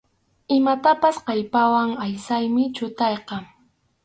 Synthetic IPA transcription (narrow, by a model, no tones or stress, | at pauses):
ɪmat̪apasqɑjpawaŋajsajmɪt͡ʃʊt̪ɑjqɑ